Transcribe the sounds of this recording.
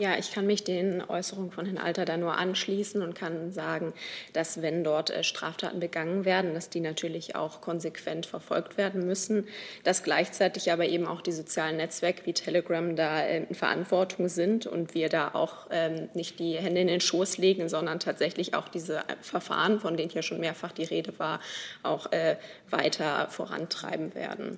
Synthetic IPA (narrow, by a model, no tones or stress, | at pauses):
jaːʔɪçkʰanmɪçd̥eːnʔɔ̰ʏsəʁ̞ʊŋəfɔnhɪnʔa̰ltɐdaːnuːɐʔa̰nʃliːsn̩ʊntkʰanzaːɡŋ̩d̥asv̥ɛndɔɐtʔɛ̰ʃtʁ̥a̰ːftʰa̰ːtn̩bəɡaŋənveːɐdn̩d̥asd̥iːnatʰyːɐlɪça̰ʊxkʰɔnzekʰv̥ɛntfɛɐfɔ̰lktv̥eːɐdn̩mʏsn̩d̥asɡ̥laɪçt͡saɪtɪçʔaːbɐʔeːbm̩a̰ʊxd̥iːzot͡sjaːlənːɛt͡sv̥ɛɐkəviːtʰɛləɡʁamdaːʔɛ̰ːmfɛɐʔa̰ntv̥ɔɐtʰʊŋzɪntʊ̰ntv̥iːɐdaːʔa̰ʊxʔɛːmnɪçt̚d̥iːhɛndəɪndeːnʃoːsleːɡŋ̩zɔndɐntʰaːtz̥ɛçlɪça̰ʊxd̥iːzəfɛɐfa̰ːʁənfɔndeːnənhjiːʃoːnmeːɐfaχd̥iːʁeːdəvaːɐʔaʊxʔɛː | va̰ɪtʰɐfoːʁ̞a̰ntʁ̥a̰ɪbm̩vḛːɐdn̩